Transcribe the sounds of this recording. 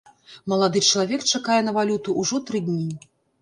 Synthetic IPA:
mɐlˠad̪ɨt͡ʂɐlˠavʲɛk̚t͡ʂakajɛnɐvalʲut̪uʔuʐɔt̪ɾɨd̪ʲnʲi

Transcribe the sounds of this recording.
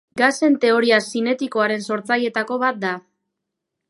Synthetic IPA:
ɡase̞nt̪e̞o̞ɾiasine̞t̪iko̞aɾe̞nso̞ɾt͡saje̞t̪ako̞βat̪̚d̪a

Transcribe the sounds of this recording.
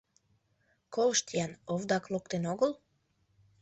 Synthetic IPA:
kolˠʃt̪ijanovd̪aklˠokt̪enoɡolˠ

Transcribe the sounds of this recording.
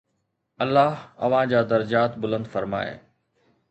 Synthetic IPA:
ɐlːaːɦɐ̰ʋ̤ãd͡ʑaːd̪ɐɾɐd͡ʑaːt̪bʊlə̃nd̪fɐɾma̰ːḛː

